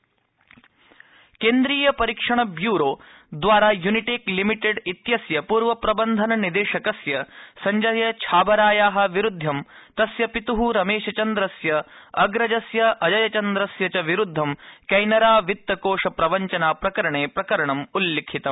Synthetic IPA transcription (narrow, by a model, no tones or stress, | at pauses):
keːnd̪ɾiːjɐpɐɾikʂɐɳɐbjuːɾoː | d̪ʋaːɾaːjuniʈeklimiʈeɖit̪jɐsjɐpuːɾʋɐpɾɐbɐnd̪ʱɐnɐnid̪eːʃɐkɐsjɐsɐɲd͡ʒɐjɐt͡ʃʰaːbɐɾaːjaːɦɐ̆ʋiɾud̪ʱːɐm | t̪ɐsjɐpit̪uɦuɾɐmeːʃɐt͡ʃɐnd̪ɾɐsjɐɐɡɾɐd͡ʒɐsjɐʔɐd͡ʒɐjɐt͡ʃɐnd̪ɾɐsjɐt͡ʃɐʋiɾud̪ʱːɐmkɐjnɐɾaːʋit̪ːɐkoːʂɐpɾɐʋɐɲt͡ʃɐnaːpɾɐkɐɾɐɳeːpɾɐkɐɾɐɳɐmulːekʰit̪ɐm